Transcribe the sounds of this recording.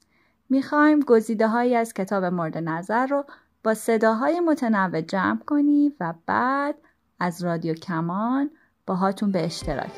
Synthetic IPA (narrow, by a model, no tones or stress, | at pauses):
miːxɒːjmɡo̞ziːd̪eɦɒːjiːæz̥cʰe̞t̪ʰɒːbe̞mo̞ɾd̪e̞næzæɾːo | b̥ɒːse̞d̪ɒːɦɒːjemo̞t̪ʰenævːed͡ʒæːmkʰo̞niːvæb̥æːd̪̥ | æzrɒːd̪ijocʰæmɒn | b̥ɒːɦɒːt̪ʰunbeːʃt̪ʰe̞ɾɒ̰ːcʰ